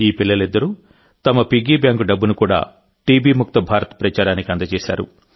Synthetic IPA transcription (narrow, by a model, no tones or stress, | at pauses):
iːpilːɐlid̪ːɐɾu | t̪ɐmɐpiɡiːbjaːŋkuɖɐbːunukuːɽa̰ː | ʈiːbiːmuk̚t̪ɐbʱaːɾɐt̪ɐ̥pɾɐt͡ʃaːɾaːnikiɐnd̪ɐt͡ʃɛːsa̰ːɾṵ